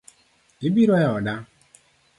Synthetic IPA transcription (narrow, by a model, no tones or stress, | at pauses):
ibiɾɔjɔda